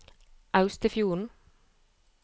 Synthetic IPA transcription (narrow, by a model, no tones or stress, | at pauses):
ʔɑʉst̪əfjuːɳ̩